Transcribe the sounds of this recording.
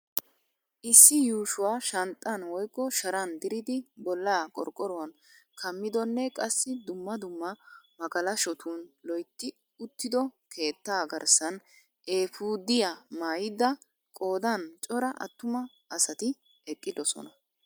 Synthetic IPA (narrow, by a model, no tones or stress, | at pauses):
ʔɪsːɪjuːʃʊwaːʃɐnt̪ʼːɐnwɔjkːɔʃɐɾɐnd̪ɪɾɪd̪ɪbɔlːaːkʼɔ̰ɾkʼːɔɾɔwɐn | kʰɐmːɪd̪ɔnːɛkʼɐsːɪd̪ʊmːɐd̪ʊmːɐmɐɡɐlɐʃɔt̪uːnlɔjt̪ːɪ | ʊt̪ːɪd̪ɔkʰe̞ːt̪ːaːɡɐɾsɐn | ʔe̞ːfuːd̪ɪjamaːjɪd̪ɐ | kʼo̞ːd̪ɐnt͡ʃʼɔɾɐʔɐ̰t̪ːʊmɐ | ɐsɐt̪ɪ | ɛkʼːɪd̪ɔsɔ̰nɐ